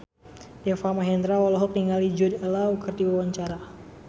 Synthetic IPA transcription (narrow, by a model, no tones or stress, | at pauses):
dɛfamaɦɛnd̪ɾawalɔɦɔkniŋalid͡ʒɔdɛlaukɨrdiwawaɲt͡ʃaɾa